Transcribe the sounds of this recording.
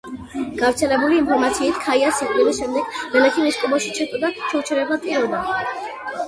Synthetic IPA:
ɡ̥avɾt̪sʰɛlɛbuliːnmpʰɔɾmat̪sʰiːt̪ʰkʰaiasiχʼilisʃɛmd̪ɛɡ̥vɛlɛt̪ʰimɛskʼɔbɔʃi̥t͡ʃʰɛt̪ʼɔd̪at͡ʃʰɛt͡ʃʰɛɾɛbap̪ʼiɾɔd̪a

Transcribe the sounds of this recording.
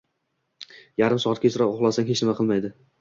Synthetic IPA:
jaɾɪmsɒɑt̪kʲasʊɾapoʁlˠasaŋhet͡ʃnɪmaqʰɨlˠmajd̪ɪ

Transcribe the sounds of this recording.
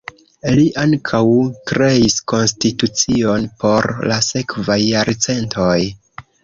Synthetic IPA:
liʔaŋkʰawkɾe̞isko̞nstitut͡sio̞npʰo̞ɾlase̞kvajːaɾt͡se̞ntʰoj

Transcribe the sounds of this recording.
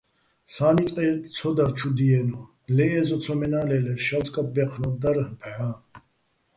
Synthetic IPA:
saːnit͡sʼqʼɛt͡sʰɔd̪aɾt͡ʃʰud̪iɛnɔ | lɛɛzɔt͡s̪ʰɔmɛnaːlɛlɛɾʃalt̪ʼkʼat̪̚bɛqʰnɔd̪aɾbʰʕa

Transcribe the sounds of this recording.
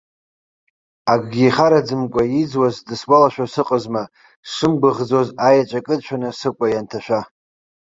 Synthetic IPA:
aɡɡʲiχaɾad͡zɨmkʷʼajid͡zwazdɨswalaʃᶣasɨqʼəzma | ʂɨmɡʷaʁd͡zozajat͡ʃʷʼakʼɨdt͡ʃʰʷᶣanɨsɨkʷʼajantʰaʃʷᶣa

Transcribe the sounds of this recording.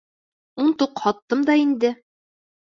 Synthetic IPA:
unt̪uqhɑt̪ːɤmd̪ɑind̪ɘ

